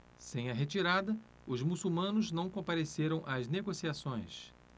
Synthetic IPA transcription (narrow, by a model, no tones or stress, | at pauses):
sẽj̃ɐɦet͡ʃiɾad̪ɐ | ʊzmusuwmɐ̃nʊznɐ̃w̃kõpaɾeseɾɐ̃w̃ʔɐzneɡosiasõj̃s